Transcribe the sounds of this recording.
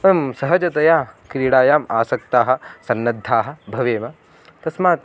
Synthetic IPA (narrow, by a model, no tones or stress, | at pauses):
msɐɦɐd͡ʒɐt̪ɐjaːkɾiːɽaːjaːmaːsɐk̚t̪aːɦɐ̆sɐnːɐd̪ʱːaːɦɐ̆bʱɐʋeːmɐ | t̪ɐsmaːt̪